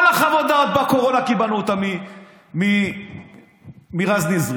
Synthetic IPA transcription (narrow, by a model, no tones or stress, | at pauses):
laχavot̪d̪at̪̚bakoʁo̞nakibanuot̪ami | mi | miʁaznizʁ